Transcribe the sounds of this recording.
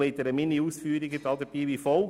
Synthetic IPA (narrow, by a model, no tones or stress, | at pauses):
eɪt̪əɾəmɪnːiuːsfyːɾiɡədɑːd̪əpiːʋifɔl